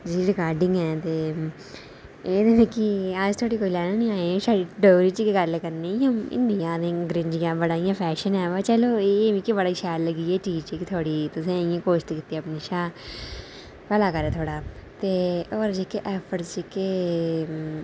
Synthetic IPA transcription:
d͡ʒiːɾɪkaːɾɖɪ̃ŋɡɛːt̪eː | eːd̪eːnekiad͡ʒt̪ʰoːɽiːkoːiːlɛːnənĩːaːesaːɽiːɖoːɾiːt͡ʃikeɡəɾeːkəɾnẽːə̃mɪ̰nd̪ijãːd̪ẽɡɾɪnd͡ʒɪjãːbəɽaːijãːpʰɛːʃənɛːʋaːt͡ʃɛːloːeʋĩːkibəɽaːiːʃɛːlləɡiːɛːʈiːt͡ʃekt̪ʰoːɽiːt̪ʊsĩːẽːkoːʃt̪iːkɪt̪eəpniːʃaː | pɛːlaːkəɾeːt̪ʰoːɽaːt̪eːoːɾd͡ʒiːkeːʔɛːpʰəɾsd͡ʒikeː

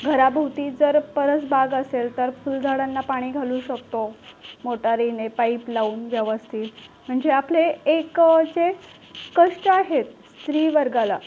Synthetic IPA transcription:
ɡʱəɾabʱət̪iːd͡zəɾpəɾət͡sbʱaɡəselt̪əɾfuld̪ʱaɽanːapaɽ̃iːɡʱaluːɕək̚t̪omoʈaɾinepaiplauːnʋjəʋəst̪ʰiːlm̤əɳd͡zeapleːkd͡ze | kəʂʈaɦet̪̚st̪ɾiːʋəɾɡala

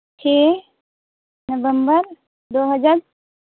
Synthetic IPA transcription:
t͡ʃʰe | nəʋəmbəɾ | d̪oːɦəd͡ʒaɾ

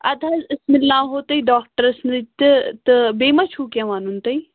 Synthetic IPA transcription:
ɐd̪ʰʱaːɪsmɪlːãːɦoːt̪ɐiːɖaːk̚ʈəɾɪsnd̪it̪t̪ɐbeːmat͡ʃʰuːkjãːʋaːnunt̪ɐi

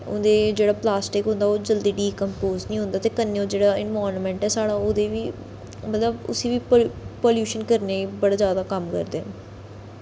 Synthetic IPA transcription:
ʊ̰̃nd̪eːd͡ʒeːɽaːplaːsʈɪkɦʊ̃nd̪aːoːd͡ʒəld̪iːɖiːkəmpoːznĩːɦʊ̃nd̪aːt̪eːkənːeːoːd͡ʒeːɽaːɪnʋaːɾnmɛ̃ɳʈɛːsaːɽãːoːd̪eːʋiː | mət̪ləbʊ̰siːʋiːppoːljuːʃənkəɾneːiːbəɽaːzjaːd̪aːkəmkə̰ɾd̪eːɛ̰̃

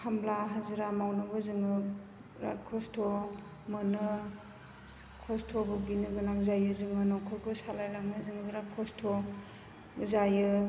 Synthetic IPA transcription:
kʰamblaɦazɯɾamawnɯbɯzɯŋɯ | ɾa̰t̚kʰɔstʰo | mɯnɯ | kʰɔstʰɔbuɡinɯɡɯnaŋzajɯzɯŋɯnɔwkʰɔɾkʰɔsalajlaŋɯzɯŋɯbiɾat̚kʰɔstʰɔ | zajɯ

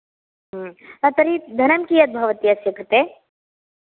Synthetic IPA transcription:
ɦɐt̪ɐɾid̪ʱɐnɐmkijɐt̪̚bʱɐʋɐt̪iɐsjɐkɾɨt̪eː

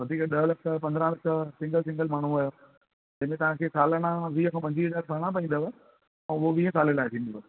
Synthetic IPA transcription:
ʋɐd̪ʱiːkəɗəɦlɐkʰpɐ̃nd̪ɾãlɐkʰsɪ̃ŋɡəlsɪ̃ŋɡəlmaːɳ̤uɐjoː | d͡ʑɐ̃ɪ̃mẽt̪ɐʋãːkʰeːsaːləɽ̃ãʋiːəkʰãːpɐ̃ɲd͡ʑiɪzaːɾpɐɾɽ̃ãp̬ɐ̃ĩn̆d̪əʋə | ɛ̃ʊɦoʋiːẽsaːlelaːɪ̃t̪ʰĩːn̆d̪oʋo

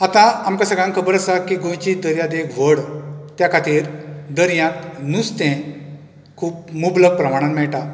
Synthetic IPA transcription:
at̪ãamkasəɡɭãŋkʰəbəɾəsakiɡõjt͡ɕid̪əɾjãd̪ekʋəɽt̪jakʰat̪iːɾd̪əɾjãt̪nust̪ẽ | kʰuːp̚mubləɡ̚pɾəmaɽ̃ãnmɛɭʈã

